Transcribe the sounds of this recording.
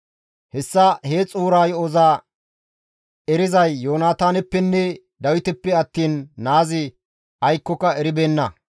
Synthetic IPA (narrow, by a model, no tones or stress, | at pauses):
hɛsːɐheːt͡sʼuːɾaːjɔzaː | ɛɾɪzɐjːo̞ːnaːt̪aːnɛpːɛnːɛ | d̪ɐwɪt̪ɛpːɛɐt̪ːiːnːaːzɪ | ɐjkːɔkɐɛɾɪbeːnːɐ